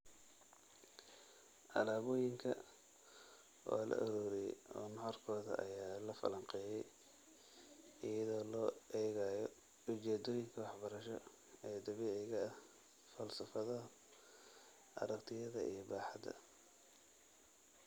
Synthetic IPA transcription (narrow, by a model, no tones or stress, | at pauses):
ʔɐlaːβɔːjɪŋkʰɐ̰ | ʔɔ̰ːlɐ̰ʔɐɾuːɾɛɔːnħɔrkʰɔːðɐ̰ʔɐ̰jaːlɐfɐ̰lɐŋqɛːjɛj | ɪjɐðɔːlɔːʔɛːɣaːjɔ | ʊt͡ʃɛːd̪ɔːjɪŋkʰɐwɑħbɐɾɐʃɔ̰ | ɛːd̪ɐβɪɛɣɐ | fɐlsɐfɐðɐ | ʔɐ̰ɾɐkt̪ʰɪjɐðɐʔḭjɔbaːħɑd̪ɐ̰